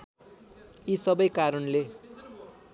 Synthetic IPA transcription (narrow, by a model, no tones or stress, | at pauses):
isʌbʌjkaɾʌnle